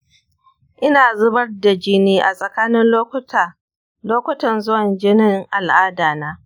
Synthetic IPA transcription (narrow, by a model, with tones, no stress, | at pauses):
ʔɪ˦naː˨zʊ˦bɐ˦rda˨d͡ʒɪ˦niː˦ʔa̰˨sʼɐ˨kaː˦nɪ˦nlo˦k | loː˦kʷʊ˦tɐ˨nzʊ˦wɐ˨nd͡ʒɪ˦nɪ˦ŋʔa˨lʔaː˦daː˨naː˦